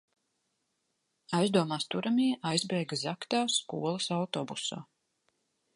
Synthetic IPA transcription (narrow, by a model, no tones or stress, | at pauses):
ajzd̪uɔmaːst̪uɾʔamiːɛʔajzbɛjɡzakt̪aːskṵɔlˠɐsawt̪obusa̰ː